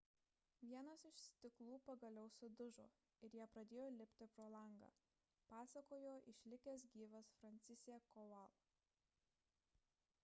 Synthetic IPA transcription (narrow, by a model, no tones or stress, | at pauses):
ʋʲiɛnɐsɪʃsʲt̪ʲɪklˠuːpɐɡɐlʲɛʊsʊd̪ʊʒo̰ː | ɪɾjiɛpɾɐd̪ʲeːjoːlʲɪpʲt̪ʲɪpɾoːlˠɐŋɡɐ̰ː | pɑːsɐkoːjoːʔɪʃʲlʲɪkʲɛːs̬ɡʲiːʋɐsfɾɐnʲt̪sʲɪsʲɛkɔʋɐlˠ